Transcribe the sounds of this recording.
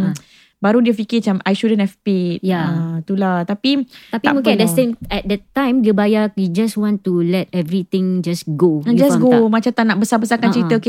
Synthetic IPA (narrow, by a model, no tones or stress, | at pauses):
baɾudiəfikit͡ʃãmajʃudə̃nhɛvpit̚jat̪ulaht̪apit̪apimũŋkɛdəsẽmɛt̚dətːãj̃mdubajajid͡ʒaswɔ̃ntulɛt̚ɛvɾit̪ɪ̃ŋd͡ʒasɡod͡ʒasɡomat͡ʃãt̪anaʔ̚bəsabəsakãnt͡ʃəɾiaoke